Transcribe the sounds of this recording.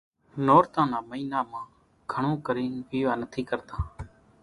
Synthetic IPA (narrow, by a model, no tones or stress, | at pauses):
noːɾt̪ãːnaːməiːnaːmãː | ɡʰʱəɳõːkəɾiːnʋiːʋaːnət̪ʰiːkəɾt̪ãː